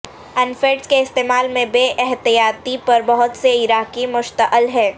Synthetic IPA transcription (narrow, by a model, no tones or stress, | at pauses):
ɐnfeːʈskeɪst̪eːmaːlmẽbeːʔɛɦt̪ijaːt̪ipɐɾbɐɦʊt̪seɪɾaːkimʊʃt̪əʔəlɦɛː